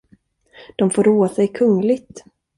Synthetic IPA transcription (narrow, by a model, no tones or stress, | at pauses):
d̪̥ɔmfoːɾoːasɛjkʰɵŋlɪɡt̪